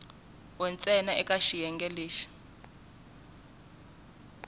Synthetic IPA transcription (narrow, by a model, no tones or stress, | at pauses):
wɔnt͡sʼɛnaɛkʼaʃijɛŋɡɛleːʃi̥